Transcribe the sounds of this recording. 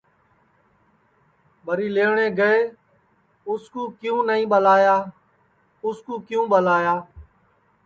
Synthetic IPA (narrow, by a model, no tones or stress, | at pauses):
ɓəɾiːleːɳẽːɡəeː | ʊskuːkjũːnəĩːɓəlaːjaː | ʊskuːkɪjũːɓəlaːjaː